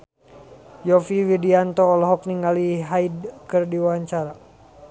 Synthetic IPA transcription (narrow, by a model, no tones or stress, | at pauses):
jɔfiwidiant̪ɔːlɔɦɔk̚niŋaliɦaidkɨrdiwaɲt͡ʃaɾa